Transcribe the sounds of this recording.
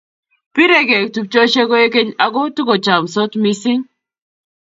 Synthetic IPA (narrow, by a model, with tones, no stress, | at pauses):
pi˦ɾe˦ɡe˨k̚tu˨p̚t͡ʃo˦ʃe˦ko˦e˦ke˦ɲa˨ɡo˦tu˦ko˨t͡ʃa˨mso˦tmi˦si˦ŋ